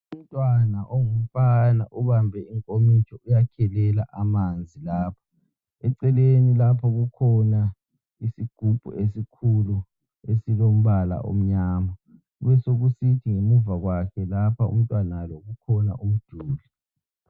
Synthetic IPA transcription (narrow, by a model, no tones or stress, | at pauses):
um̩tʼwanaʔoŋum̩fana̰ʔuβambʱɛiŋkʼomit͡ʃʰʼɔʔujakʰɛlɛlaʔamand͡zʱilaːpʰḁ | ɛǀɛlenilapʰɔɣukʰɔna | isiɡ̥ʱub̥ʱṵesikʰulu | esilom̩βala̰ʔo̰m̩ɲaːma | uβɛsoɣusitʰiŋemuvaɣwakʰɛlapʰaṵm̩tʼwanaloɣukʰɔna̰ʔum̩d̥ʱuːli